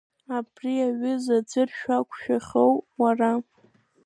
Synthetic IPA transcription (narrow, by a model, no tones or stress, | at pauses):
abriaɥʊzad͡zɨrʃᶣakʷʰʃᶣaχʲowwara